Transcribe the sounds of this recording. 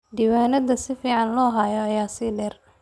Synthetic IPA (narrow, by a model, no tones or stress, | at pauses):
ɖ̪iwaːnɐd̪ɐsɪfiːʕɑnlɔːɦaːjɔɐjaːsɪlɛr